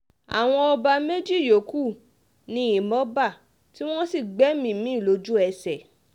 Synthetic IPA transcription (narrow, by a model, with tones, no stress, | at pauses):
a̰˨w̃ɔ̃˧ɔ˧ba˧me˦d͡ʒi˦˨jo˨ku˦˨ | nĩ˧˦i˨mɔ˨˦ba˦˨ | ti˦w̃ɔ̃˦si˦˨ɡ͡bɛ˨˦mĩ˦˨mĩ˨˦˨lo˨˧˦d͡ʒu˦ɛ˧sɛ˨